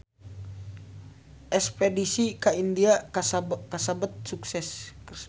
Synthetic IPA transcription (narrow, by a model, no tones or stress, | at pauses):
ʔɛspedisikaindia | kasabət̪̚suksɛs